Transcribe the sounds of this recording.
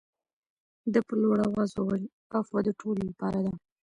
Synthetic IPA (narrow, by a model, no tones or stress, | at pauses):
d̪əpəloɽawazawal | afad̪əʈʰololapɑɾad̪a